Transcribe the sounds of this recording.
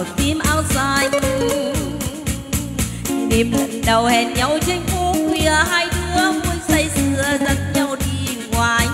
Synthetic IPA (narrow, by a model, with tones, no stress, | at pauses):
t̪i˧˦mʔaː˧˩wzaː˧˩j | ɗe˨˩mlə̰˨˩˨nɗə˨˩whɛ˨˩n̚ɲa˧˩wt͡ɕe˧ŋ̟fu˧˥kwi˧˩əhaː˧jt̪ʰɨ˧˦əvu˧˦jsə˧jsɨ˧˩əzə˧n̚ɲa˧wɗi˧ | ŋwaː˨˧˩j